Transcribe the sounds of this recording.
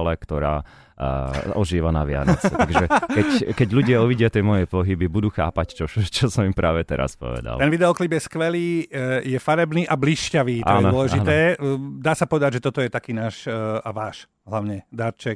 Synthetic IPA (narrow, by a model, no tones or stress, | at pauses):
lɛkt̪ɔɾa̰ː | ɔʒiːʋanaʋɪa̰nɔ̰t͡sɛt̪aɡʒɛkkɛckɛɟʎuɟɪauʋiɟɪat̪ɪɛmɔjɛpɔɦibibud̪uːxa̰ːpact͡ʃɔt͡ʃɔsɔmimpɾʔaːʋɛt̪ɛɾa̰spɔ̰ʋɛ̰d̪a̰lt̪ɛnʋid̪ɛɔklibjɛskʋɛliːjɛfaɾɛbniːʔabliʃcaʋiːt̪ɔjnd̪ɔlɛʒinɛːd̪aːsapɔʋɛd̪aɟʒɛt̪ɔt̪ɔjɛt̪akiːnaːʃaʋaːʃ | ɦlaʊɲɛd̪aɾt͡ʃɛk